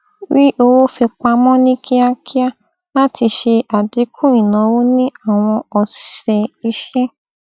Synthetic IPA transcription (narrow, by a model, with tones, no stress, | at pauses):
wi˦ʔo˧wo˦fi˧k͡pa˧mɔ̃˦nĩ˦kʰi˦a˦kʰi˦a˦ | la˦tʰi˧ʃe˧a˨di˨˦kʰũ˦ĩ˨nã˨˦wo˦nĩ˦a˦˨w̃ɔ̃˧ɔ˨si̥˨ʃɛ˧i˧˦ʃɛ˦